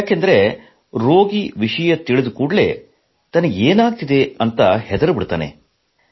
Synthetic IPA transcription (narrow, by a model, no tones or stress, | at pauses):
jaːkend̪ɐɾe | ɾoːɡiʋiʂɐjɐt̪iɭid̪ukuːɽlḛː | t̪ɐnːɐeːnaːɡ̚t̪id̪e̞ɐnt̪ɐhɛd̪ɐɾɐbiɽt̪a̰ːnḛ